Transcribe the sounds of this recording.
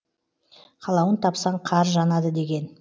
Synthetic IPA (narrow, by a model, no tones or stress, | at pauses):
qʰɑlˠɑwənt̪ʰɑpsɑɴqʰɑɾʒɑnɑd̪əd̪e̞ɡʲe̞n